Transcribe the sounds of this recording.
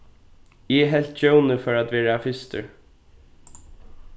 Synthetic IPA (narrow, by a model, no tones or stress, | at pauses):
ɛɦɛl̥t̪t͡ɕœwnəfœɹat̪ʋɛːɾaːfɪst̪ə̰ɹ